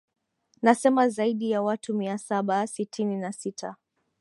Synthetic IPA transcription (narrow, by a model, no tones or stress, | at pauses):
nasɛmazaiɗijawatumiasaɓasitʰininasitʰa